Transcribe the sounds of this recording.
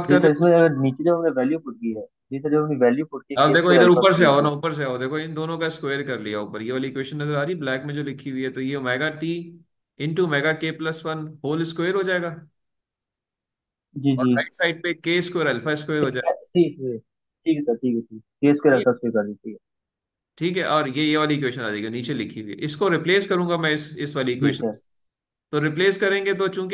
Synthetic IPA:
t̪kɐɪsmẽɐɡəɾniːt͡ʃid̪eɐmneʋɛːljuːpʊʈ̚ɡiɦɛː | d͡ʒiːt̪od͡ʒemiʋɛːljuːpʊʈ̚kead̪eːkʰoɪd̪əɾuːpəɾs̬eaːonaʊːpəɾs̬eaːod̪eːkʰoɪnd̪oːnõkaɪskwejəɾkɐɾliaʊpəɾjeʋalikweːʃənːɐzəɾaːɾiblɛːkmẽd͡ʒoːlɪkʰiiɦɛt̪ojemɛːɡaʈiː | ɪ̃ɳʈumɛːɡakeːplɐsʋɐnɦoːlɪskweːəɾɦod͡ʒaːeːɡaː | d͡ʒiːd͡ʒɔːiaɪʈsaːɪɖ̚pekeːɪskweːɾɛlfaɪskweːəɾɦod͡ʒaːʈʰiːki | ʈʰiːkːʈʰiːkɛʈʰiːkkeskeɾɛaskekɐɾd̪itʰiːkɛ | ʈʰiːkɦɛʔɔːɾjejeʋaːliɪkweːʃənaːd͡ʒaeɡaniːt͡ʃelɪkʰːiɦʊiɦɛ̰ʔɪskoɾɪpleːskɐɾũːŋɡamɛ̃ɪsɪsʋaːliɪkweːʃə | t̪oɾɪpleːskɐɾẽːŋɡet̪̬ot͡ʃũːk

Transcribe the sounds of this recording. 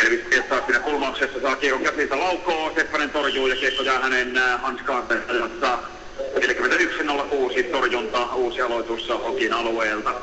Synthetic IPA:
elʋispiet̪ːɑːssiːnækulmɑuksesːɑsɑːkiːkoŋkæsilt̪ælɑukːˑoːsepːɑnent̪orjuːjɑkekːojɑːhænenhɑnskɑːnt̪esɑjɑsɑ | neljækyment̪æyksinolːɑkuːsit̪orjunt̪ɑːuːsiɑlot̪usːɑhokinɑlueːlt̪ɑ

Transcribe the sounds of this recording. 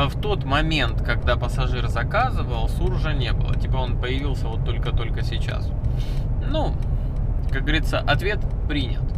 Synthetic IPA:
ft̪o̞t̪mɐmʲent̪kɐɡd̪apəsɐʐɨrzɐkazɨvəlˠsurʐənʲe̞bɨ̰lˠə̰tʲipəo̞npəjɪvʲilˠsʲəvo̞t̪ːo̞lʲkət̪o̞lʲkəsʲɪt͡ɕa̰s | nu | kak̚ɡəvəɾʲit̪sːəʔɐt̪vʲe̞t̪pɾʲinʲɪt̪

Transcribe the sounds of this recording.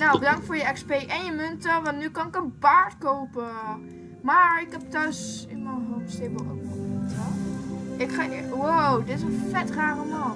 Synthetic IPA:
nowbədɑŋk̚tfoːɹjəɛkspejʔɛnjəmøntərɛnnykɑnɪkənbaːɹtkowpə | maːɹɪkɦɛp̚tœɥsɪnmənɦofsteməlʔo̰kmɔta | ɪkχaːwowdɪtɪsənfɛtraːrəmɑ

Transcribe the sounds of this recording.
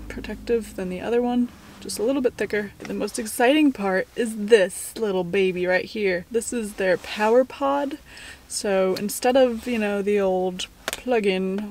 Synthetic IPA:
pʰɹ̥ɨtʰɛk̚tɨvðɨ̃nðiʔʌ̰ðə˞wʌ̃n̥ | ʒ̥ʌstəlɪɾl̩ˠbɪt̪̚θɪkə˞ðɨmoʊstɨksaɪɾɪ̃ŋpʰɑɹɾɪzðɪs | lɪɾl̩ˠbeɪbiɹaɪt̚hiɹðɪsɨzðə˞pʰaʊə˞pʰɑd̥soʊɨ̰̃nstɛɾʌvjɨnoʊðioʊlˠd̚ | ppʰl̥ʌɡɪ̃n

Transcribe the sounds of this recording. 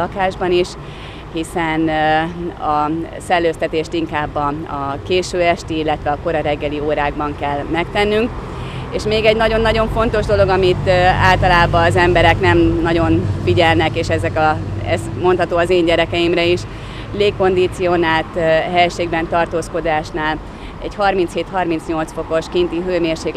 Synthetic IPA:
ɒkaːʒbɒniʃ | hisɛn | ɒsɛlːøːst̪ɛt̪eːʃt̪iŋkaːbːɒɒkeːʃøːɛʃt̪iilːɛt̪ʋɛɒko̞ɾɒɾɛɡːɛlioːɾaːɡ̚bɒŋkɛlmɛk̚t̪ɛnːyŋk | eːʃmeːɡɛɟnɒɟo̞nːɒɟo̞ɱfo̞nt̪o̞ʒd̪o̞lo̞ɡɒmit̪aːlt̪ɒlaːbɒːzɛmbɛɾɛknɛmːɒɟo̞nfiɟɛlnɛkeːʃɛzɛkɒɛ̰smo̞nt̪hɒt̪oːɒzeːɲɟɛɾɛkɛimrɛiʃ | leːko̞nd̪it̪sio̞naːlt̪ɦɛjʃeːɡbɛnt̪ɒrt̪oːsko̞d̪aːʃnaːl | ɛɟhɒrminsheːt̪hɒrmintsɲo̞lt̪sfo̞ko̞ʃkint̪iɦøːmeːrʃeːk

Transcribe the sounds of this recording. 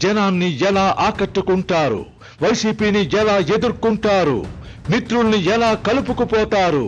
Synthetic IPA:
d͡ʒɛnaːnːiɛlaːʔaːkɐʈːukuɳʈaːɾṵ | ʋɐjsiːpiːniɛlaːe̞d̪uɾkːuɳʈaːɾṵmit̪ɾulɐniɛlaːkɐlup̬ukupɔːt̪aːɾṵ

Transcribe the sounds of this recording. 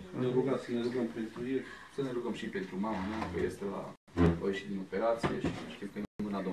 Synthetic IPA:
neɾuɡat̪səneluɡəmpent̪ɾujesəneluɡəmʃipent̪ɾumamanukə̰jest̪ela̰ | ojeʃit̪d̪ino̞pe̞ɾat̪sijeʃiʃt̪imkənemɨnad̪o

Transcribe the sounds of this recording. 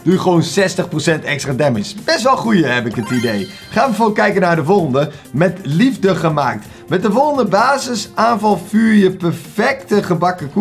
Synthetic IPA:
d̥ujχəʋoːnsɛstəχprosɛntɛkstradɛmɪsb̥ɛstʋɛlˠχujəɦɛpɪkətidej | χaːəfokɛjkənaːɹdəvolˠəndə | mɛtlivdəχəmaːk̚t | mɛt̚dəfolˠəndəbaːzəsaːnvɑlˠfyːɹjəpɛrfɛk̚təχəbakəku

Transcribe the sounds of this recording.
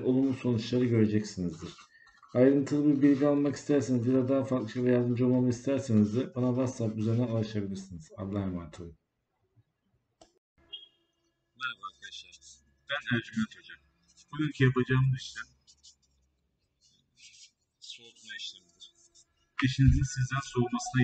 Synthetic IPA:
ʔo̞lˠumuso̞nut͡ʃlˠaɾɯɟø̞ɾe̞d͡ʒɛcsinizd̪iɾ̥ | ajɾɯnt̪ʰɯlˠɯbiɾbilʲɟialˠmaki̥st̪ʰæɾsinizdbilad̪aːafak̪lˠɯʃavɛjald̪ɯmd͡ʒo̞lˠmamˠɯkist̪ʰæɾsenizd̪ɛbanavasapyzeɾnænulˠaʃabilʲiɾsiniz̥a̰d̪lˠajmant̪ʰɯlˠɯ | nɛɾabaɾkʰad̪aʃˠaɾ | bænæɾd͡ʒymant̪ʰod͡ʒam | b̥uɡyncʰijapad͡ʒaːmd̪ɯiʃt̪ʰɛ | soɾd̪unaaʃt̪iɾd̪iɾ̥ | deʃinizinsizd̪ænsoɾumasɯna

